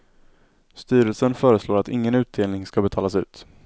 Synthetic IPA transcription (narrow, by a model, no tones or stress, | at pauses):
st̪yːɾəlsənfœːɾəsloːɾat̪ɪŋːənʉ̟ːt̪̚d̪eːlnɪŋskabɛt̪ʰɑːlasʉ̟ːt̪